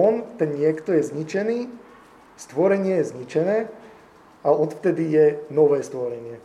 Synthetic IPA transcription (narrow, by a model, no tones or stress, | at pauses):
ɔnt̪ɛnɲɪɛkt̪ɔjɛzɲit͡ʃɛniː | st̪ʋɔɾɛɲɪɛjɛzɲit͡ʃɛnɛː | aɔt̪ft̪ɛd̪ijɛnɔʋɛːst̪ʋɔɾɛɲɪɛ